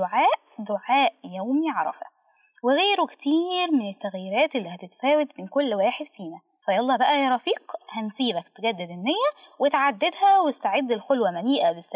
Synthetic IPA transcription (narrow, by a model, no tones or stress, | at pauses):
oʕaːʔd̪oʕaːʔjæwmiʕɑɾˤɑ̰fæ̰ | weɣeːɾukt̪iːɾmenet̪ːæɣjɪɾæːt̪ʔelːiːhæt̪et̪fæːwet̪mɪnkolːwæːħed̪fiːnæ | fæjʔɑlˤːɑːbæʔæjæɾˤɑfiːqhænsiːbæk̚t̪eɡæd̪ːed̪enːejːæwet̪ʕad̪ːed̪hæwst̪aʕed̪ːelxolwæmæniːʔæbesːæ